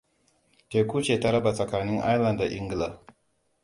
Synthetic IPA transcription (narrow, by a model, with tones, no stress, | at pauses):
teː˨kʷuː˦t͡ʃeː˨ta˦ɾɐ˦ba˨sʼɐ˨kaː˨nɪ˦ŋʔa̰˦jlɐ˨nda˨ʔɪ˦ŋɡla˨